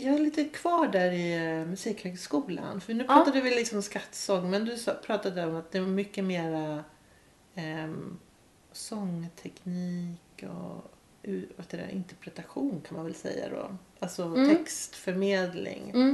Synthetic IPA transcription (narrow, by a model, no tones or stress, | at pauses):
jɑːɡɛɭiːt̪əkʰv̥ɑːɖæɾɪmɵsiːkhœːɡskuːla̰nfœɾnʉpʰɑːt̪ad̪əvɪlɪksɔmskat̪ːsɔŋːmɛnd̪ɵsɑpʰɾɑːt̪ad̪əɔmat̪̚d̪ɛvamʏkːəmeːɾa | sɔŋːt̪ʰɛkniːkɔ̰ | ʉːvaheːt̪ːad̪ɛ̰ʔɪ̰nt̪ɛɾpʰɾɛt̪aɧuːnkʰanmanvɛlsɛ̰jːa̰d̪ɔ̰alsɔt̪ʰɛkst̪fœɾmeːd̪lɪ̰ŋ